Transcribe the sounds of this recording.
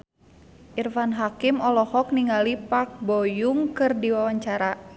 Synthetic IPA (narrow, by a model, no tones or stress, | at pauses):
ʔirfanɦakimɔlɔhɔk̚niŋɡalipak̚bojuŋkɨrdiwawaɲt͡ʃaɾa